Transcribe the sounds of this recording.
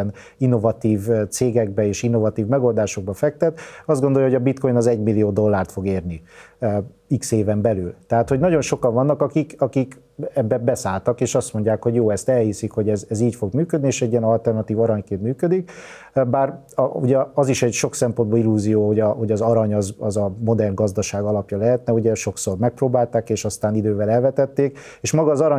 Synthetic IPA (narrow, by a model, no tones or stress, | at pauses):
n | inːo̞vɒt̪iːvt̪seːɡɛɡ̚bɛeːʃinːo̞vɒt̪iːvmɛɡo̞ld̪aːʃo̞ɡ̚bɒfɛk̚t̪ɛt̪ɒzd̪ɡo̞nd̪o̞ljɒɦoɒbit̪ko̞jnɒzɛɟmilːijoːd̪o̞lːaːrt̪fo̞ɡeːrni | ikseːvɛmbɛlyːlt̪ɛɦaːt̪ho̞ɟnɒɟo̞nʃo̞kɒɱvɒnːɒkɒkikɒkik | ɛbːɛbɛsaːlt̪ɒkeːʃɒst̪mo̞ɲɟaːkho̞ɟjoːɛst̪ɛlhisikho̞ɟɛzɛziːcfo̞ɡmyːkød̪nieːʃɛɟːijɛnɒlt̪ɛrnɒt̪iːvɒɾɒɲkeːnt̪myːkød̪ik | baːr | uɟɛɒziʃɛɟʃo̞ksɛmpo̞nd̪bolilːuːzijoːho̞ɟɒɦo̞ɟɒzɒɾɒɲɒzɒzɒmo̞d̪ɛrnɡɒzd̪ɒʃaːɡɒlɒpjɒlɛɦɛt̪nɛuɟɛʃo̞kso̞rmɛk̚proːbaːlt̪aːkeːʃɒst̪aːnid̪øːvɛlɛlvɛt̪ɛt̪ːeːk | eːʃmɒɡɒːzɒɾɒ